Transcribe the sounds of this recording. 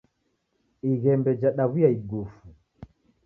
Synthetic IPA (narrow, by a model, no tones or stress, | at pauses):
iɣɛmbɛd͡ʒaɗaβujaiɡufu